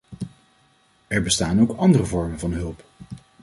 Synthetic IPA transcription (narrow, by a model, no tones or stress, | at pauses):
ɛɹbəstaːnowkɑndərəvɔɹmənvɑnɦɵlˠp